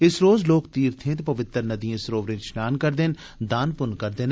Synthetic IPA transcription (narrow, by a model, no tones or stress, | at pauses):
ɪsɾoːzloːkt̪iːɾt̪ʰẽt̪̬epɐʋɪt̪ːəɾnɐd̪ijẽsɾoːʋɾẽɾʃnaːnkɐɾd̪ɪn | d̪aːnpʊnkɐɾd̪ɪn